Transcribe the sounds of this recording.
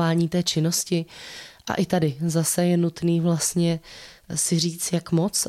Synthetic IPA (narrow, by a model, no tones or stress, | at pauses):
aːɲiːt̪ɛːt͡ʃɪno̞scɪʔa̰ʔɪt̪adɪzasɛjɛnut̪niːvlast̪ɲɛ | sɪr̝iːt͡sjakmo̞t͡s